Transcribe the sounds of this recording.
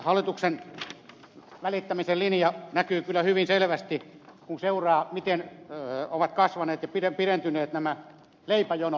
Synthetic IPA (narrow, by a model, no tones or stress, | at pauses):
hɑlːˑit̪uksen | ʋælit̪ːæmiselinjɑnækyːkylːˑæhyʋinselʋæst̪i | kunseurɑːmit̪en | oʋɑt̪kɑsʋɑneːt̪jɑpirepirent̪yneːt̪næmæ | leipæjono